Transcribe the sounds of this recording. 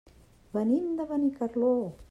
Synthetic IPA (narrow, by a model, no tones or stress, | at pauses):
banind̪aβanikaɾlo